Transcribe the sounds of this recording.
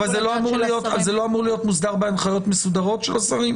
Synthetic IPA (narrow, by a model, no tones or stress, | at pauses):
valzelo̞amuʁlijo̞t̪alzelo̞amuʁlijo̞tmusd̪aʁbeanχajo̞t̪mesud̪aʁo̞t̪ʃelasaʁim